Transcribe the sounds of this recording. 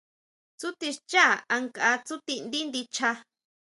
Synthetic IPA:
t͡su˦t̪i˧ʂt͡ʃa˦˨a˧ŋka˧t͡su˦t̪i˧nd̪i˦nd̪i˧t͡ʃa˧

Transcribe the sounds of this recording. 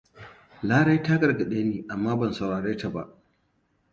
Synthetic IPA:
laː˦ɽa˦jtaː˦ɡɐ˨rɡɐ˨ɗeː˦niː˨ʔa˨mːaː˦bɐ˨nsa˨wɽaː˨ɽeː˦ta˨ba̰˦˨ʔ

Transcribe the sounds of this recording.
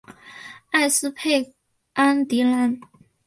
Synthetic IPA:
a˥˩ɪsɹ̩˥pʰe˥˩ɪ | a˥nt̪i˧˥la˧˥n

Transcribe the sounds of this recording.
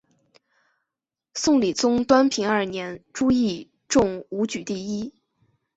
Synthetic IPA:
sʊ˥˩ŋli˨˩t͡sʊ˥ŋt̪wa˥npʰi˧˥ŋə˞˥˩njɛ˧˥nʈ͡ʂu˥i˥˧ | ʈ͡ʂʊ˥˩ŋu˧˥t͡ɕy˨˩t̪i˥˩i˥

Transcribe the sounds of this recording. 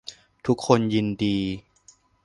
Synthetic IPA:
t̪ʰu˦˥kʰːo˧nji˧ndiː˧

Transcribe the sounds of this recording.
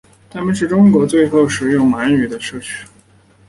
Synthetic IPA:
t̪ʰa˥mə˨nʂ̬ɻ̩˥˩ʈ͡ʂʊ˥ŋkwɔ˧˥t͡swe˥˧ɪxo˥˩ʊʂɻ̩˨˩jʊ˥˩ŋla˧˥ny˨˩d̪ə˦ʂɤ˥˧t͡ɕʰy̥˥˩

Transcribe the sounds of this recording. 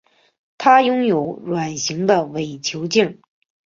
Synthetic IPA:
t̪ʰa˥jʊ˥ŋjo˧˥ʊɻwa˨˩nɕi˧˥ŋd̪ə˧we˨˩ɪt͡ɕʰjo˧˥ʊt͡ɕi˥˩ŋ

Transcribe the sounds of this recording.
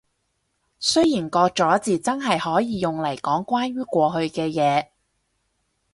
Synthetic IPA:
sɵ˥ɥjiː˨˩nkɔː˧k̚t͡ʃɔː˨˥t͡siː˨˧t͡sɐ˥nɦɐ˨jhɔː˨˥jiː˨˧jʊ˨ŋlɐ˨˩jkɔː˨˥ŋkwaː˥nɥyː˥kʷɔː˧ɦɵ˧ɥkɛː˧jɛː˨˧

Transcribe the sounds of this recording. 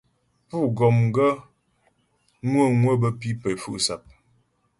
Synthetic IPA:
pu˦˨ɡɔ˨mɡə˦ | ŋwə˦˨ŋwə˦bə˦pi˦pə˨fṵ˦ʔsa˨p̚

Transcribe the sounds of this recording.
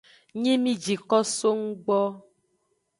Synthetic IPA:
ɲĩ˦mĩ˦d͡ʒi˨kɔ˦so˦ŋ̩˦ɡ͡bɔ˦

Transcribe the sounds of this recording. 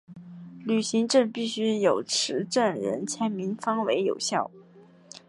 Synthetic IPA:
ly˨˩ɕi˧˥ŋʈ͡ʂə˥˧pi˥˩ɕy˥jo˨˩ʊʈ͡ʂʰɻ̩˧˥ʈ͡ʂə˥˩nɻə̰˧˥nt͡ɕʰjɛ˧˥nmi˧˥nfɑ˥ŋwe˧˥ɪjo̰˨˩ʊɕjɑ˥˩ʊ

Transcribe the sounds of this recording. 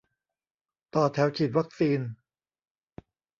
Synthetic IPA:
t̪ɔː˨˩t̪ʰɛː˩˦˥wt͡ɕʰiː˨˩t̪̚wa˦˥k̚siː˧n

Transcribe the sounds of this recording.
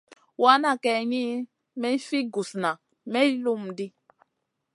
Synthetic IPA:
wa˦na˦˨kɛ˨ɲi˦ | mɛ˦fi˦ɡu˨sna˨ | mɛ˦lu˦m̩˨di˦

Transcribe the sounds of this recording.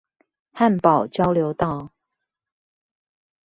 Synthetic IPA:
ha˥˨npɑ˨˩ʊt͡ɕjɑ˥˦ʊljo˨˦ʊt̪ɑ˥˨ʊ

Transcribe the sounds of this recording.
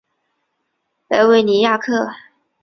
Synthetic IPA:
la˧ɪwe˥˩ɪni˨˥ja˥˧kʰɤ˥˩

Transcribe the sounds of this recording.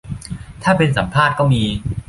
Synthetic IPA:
t̪ʰaː˥˩pe˧nsa˩˦mpʰaː˥˩t̪̚kɔː˥˩miː˧

